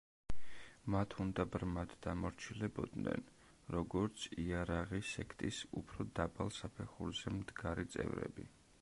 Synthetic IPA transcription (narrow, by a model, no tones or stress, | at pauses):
mat̪ʰund̪abɾmad̪d̪amɔɾt͡ʃʰilɛbɔd̪nɛ̰n | ɾɔɡɔɾt̪sʰiaɾaʁisɛkʰt̪ʼisupʰɾɔd̪abalˠsapʰɛχuɾzɛmd̪ɡaɾit̪sʼɛ̰vɾɛ̰bi